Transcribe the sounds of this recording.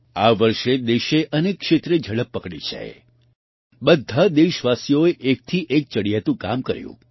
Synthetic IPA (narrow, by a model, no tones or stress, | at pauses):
aʋəɾʃed̪eʃeʔənekːʃet̪ɾed͡ʒʱəɽəpːəkɽḭt͡ʃʰḛ | bəd̪ʱːad̪eʃʋasijoeʔek̚t̪ʰiʔek̚t͡ʃəɽijat̪ũka̰mkəɾjṵ̃